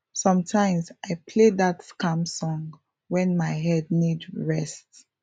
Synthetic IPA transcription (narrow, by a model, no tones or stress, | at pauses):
sɔ̃mtʰãɪ̃mzaɪpʰledatskãmsɔ̃ŋ | wɛ̃nmaɪɦɛd̚nidɹɛst